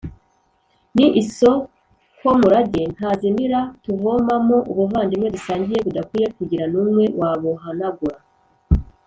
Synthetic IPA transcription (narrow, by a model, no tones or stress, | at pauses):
niʔiso̞ | ko̞muɾaɟen̥hazimiɾatuvomamoʔuβuvaːndimŋe̞dusaːɲɟije̞βudakwiːje̞kuɟiɾanumŋwe̞wʔaːβoɦanaɡuɾa